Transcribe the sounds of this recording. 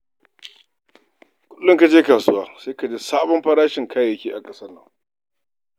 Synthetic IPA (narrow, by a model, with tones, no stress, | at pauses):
kʷʊ˦lːʊ˦ŋka˨d͡ʒeː˦kaː˨sʊ˦waː˦seː˦ka˨d͡ʒeː˦saː˦bɔ˦mɸɐ˦ɽaː˦ʃɪ˨ŋkʰaː˦jɐ˨kʲeː˦ʔa˨kʼɐ˦sɐ˦rnːɐ̰˨ŋ